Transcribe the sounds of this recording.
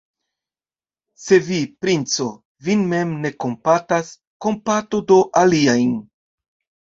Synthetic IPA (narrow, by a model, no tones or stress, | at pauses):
se̞vipɾint͡so̞ | vinme̞mne̞ko̞mpatas | ko̞mpatodo̞ʔaliajn